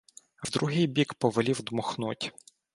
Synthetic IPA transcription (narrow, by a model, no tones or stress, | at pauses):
wd̪ɾuɦɪjbʲikpɔʋelʲiwd̪mɔxnutʲ